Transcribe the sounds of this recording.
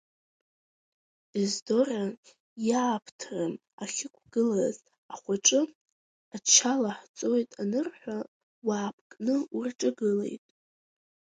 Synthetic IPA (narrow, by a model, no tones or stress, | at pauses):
izdo̞ra | jaːpʰtʰran | aχʲɪkʷʰɡ̥ɨlaz | aχʷaʈ͡ʂʼɨ | at͡ʃʰalaħt͡sʼo̞jtʼanɨrħʷa | waːpʰkʼnɨurʈ͡ʂʼɨɡɨle̞̰jtʼ